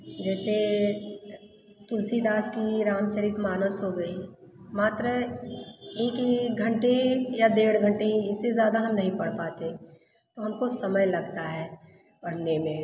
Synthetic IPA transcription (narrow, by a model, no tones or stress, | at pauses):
d͡ʒɛːse | t̪ʊlsid̪aːskiɾaːmt͡ʃəɾit̪maːnəsɦoɡɐi | maːt̪ɾə | eːkɦiɡʱɐ̃ɳʈejad̪eːɽɡʱə̃ɳʈeiɪsːezjaːd̪aɦɐmnɐɦĩpɐɽ̤paːt̪ẽ | t̪oɦɐmkosɐməjlɐɡt̪aɦɛː | bɐɽnemẽ